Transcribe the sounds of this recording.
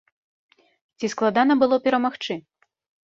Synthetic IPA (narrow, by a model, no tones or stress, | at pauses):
t͡sʲisklˠad̪anɐbɨlˠɔpʲɛɾɐmaxt͡ʂɨ